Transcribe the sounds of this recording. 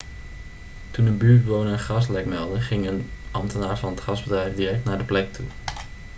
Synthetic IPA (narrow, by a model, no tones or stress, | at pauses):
tunənbyːɹd̚bəʋownəənχɑslɛkmɛlˠdəχɪŋənʔɑmtənaːɹvɑnətχɑzbədrɛjfdirɛk̚tnaːɹdəplɛk̚tʰṵ